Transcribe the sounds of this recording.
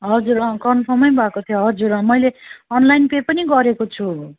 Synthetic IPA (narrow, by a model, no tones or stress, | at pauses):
ɦʌd͡zuɾʌkʌnpʰʌmʌjbʱʌkot̪ʰjoɦʌd͡zuɾʌmʌjleʌnlajnpepʌniɡʌɾekot͡sʰu